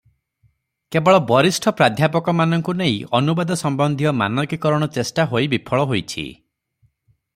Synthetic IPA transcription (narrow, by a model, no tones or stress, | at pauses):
kebɔɭɔbɔɾisʈʰɔpɾad̪ʱjapɔkɔmanɔŋkuneĩɔnubad̪ɔsɔmbɔnd̪ʱijɔma̰nɔkikɔɾɔɽ̃ɔt͡ʃesʈaɦojbipʰɔɭɔɦojt͡ʃʰḭ